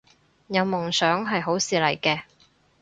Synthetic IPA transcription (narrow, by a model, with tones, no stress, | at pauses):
jɐ˨˧wmʊ˨˩ŋsœː˨˥ŋɦɐ˨jɦo˨˥wsiː˨˧lɐ˨˩jkɛː˧